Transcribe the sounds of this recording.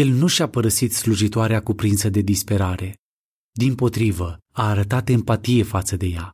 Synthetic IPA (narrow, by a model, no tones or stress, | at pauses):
je̞lnuʃapəɾəsit̪sluʒit̪oaɾeakupɾinsəd̪e̞d̪ispe̞ɾaɾe̞ | d̪impo̞t̪ɾivəaːɾət̪at̪e̞mpat̪ije̞fat̪səd̪e̞ja